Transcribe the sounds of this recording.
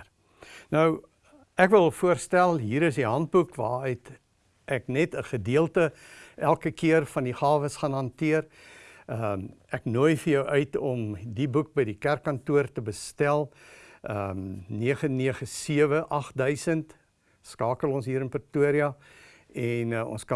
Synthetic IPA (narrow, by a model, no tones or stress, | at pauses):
nəw | ækvəlˠfuərstælˠɦiːɾəsdiɦɐnt̚bukvɑːɛt | ʔæknɛtəχədiəlˠtəælˠkəkiərfɐndiχɑːvəsχɑnɦɐntiər | əæknuəjfəjœwʔœɥtɔmdibuk̚bəjdikærkːɐntuərtəbəstælˠəniəχəniəχəsiəvəʔɐχdœɥsənt | skɑːkəlˠɔnsɦiːɾənpərtuəɾiɐ | ɛnɔ̰nskɐ